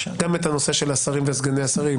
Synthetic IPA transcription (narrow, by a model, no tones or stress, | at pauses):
ɡamet̪ano̞se̞ʃelasaʁimvesɡaneasaʁim